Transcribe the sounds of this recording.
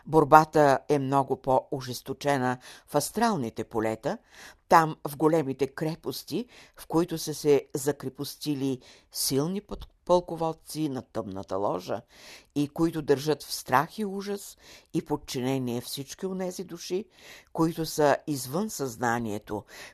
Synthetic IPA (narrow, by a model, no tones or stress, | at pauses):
boɾbat̪əɛmnɔɡʊpoʊʒɛst̪ot͡ʃɛnəfɐst̪ɾalˠnit̪ɛpolɛt̪ə | t̪amvɡolɛmit̪ɛkɾɛpost̪ifkoit̪ʊsəsɛzɐkɾɛpʊst̪ili | silˠnippəlˠkʊvɔt̪sinɐt̪əmnə̰t̪ə̰lˠɔʒə̰ikoit̪ʊd̪əɾʒɤt̪fst̪ɾaxiuʒəsipot̪̚t͡ʃinɛniɛfsit͡ʃkionɛzid̪uʃikoit̪ʊsəizvənsɐznaniɛt̪o